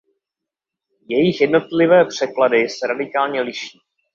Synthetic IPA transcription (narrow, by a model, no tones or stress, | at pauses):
jɛjɪxjɛdno̞t̪lɪvɛːpr̝̥ɛkladɪsɛɾadɪkaːlɲɛlɪʃiː